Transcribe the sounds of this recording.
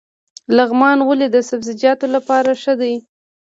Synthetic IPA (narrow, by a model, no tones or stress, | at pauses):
laɣmɑnwəled̪əsabzɪd͡ʒɑt̪olapɑɾaʂəd̪aj